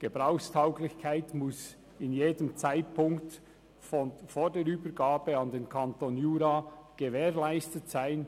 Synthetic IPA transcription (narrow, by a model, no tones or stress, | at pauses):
ɡ̥eb̥ʁaʊxstʰaʊɡlɪçkʰaɪtmʊs | ɪnjeːdəmt͡saɪt̚pʰʊŋkt | foːdeːɾyːbəɡaːbəɑndeːnkʰɑntonjuːɾaɡ̥eveːʁlæɪstətsaɪn